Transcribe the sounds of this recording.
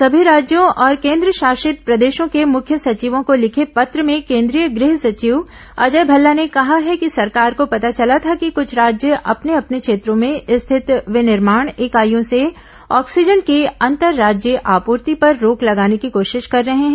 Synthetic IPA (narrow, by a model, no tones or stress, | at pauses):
sɐbʱiɾaːd͡ʒjõʔɔːɾkẽːnd̪ɾəʃaːʃɪt̪̚pɾɐd̪eːʃõkemʊkʰjəsɐt͡ʃiʋõkolɪkʰepɐt̪ɾəmẽkẽːnd̪ɾijəɡɾɪɦsɐt͡ʃiʋ | ɐ̰d͡ʒəjbʱɐlːanekɐɦaɦɛkisɐɾkaːɾkopɐt̪at͡ʃɐlat̪ʰakikʊt͡ʃʰɾaːd͡ʒjəʔɐ̰pneɐpnekʃeːt̪ɾõmẽɪst̪ʰɪt̪ʋɪnɪɾmaːɳ̃eːkaːjõse | ɔːksɪd͡ʒənkeɐ̃nt̪əɾːaːd͡ʒjəʔaːpuːɾt̪ipɐɾːoːklɐɡaːnekikoːʃɪʃkɐɾːɐɦeɦɛ̃